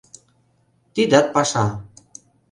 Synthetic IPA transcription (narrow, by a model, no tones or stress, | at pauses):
t̪id̪at̪̚paʃa